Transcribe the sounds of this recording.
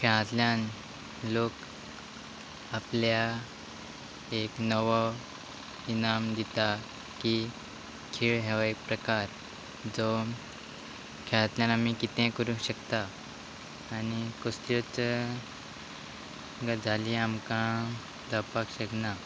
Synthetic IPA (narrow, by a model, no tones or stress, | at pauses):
kʰɛɭãt̪ljan | lok | aplja | eknəʋɔ | inamd̪it̪a | ki | kʰiːɭɦɛʋaikpɾəkaɾ | d͡zɔ | kʰɛ̃ãt̪ljãnamikit̪ɛ̃kəɾũɕəkt̪aː | nikɔslot͡s | ɡad͡zʱaliamkã | d̪əpakɕəkna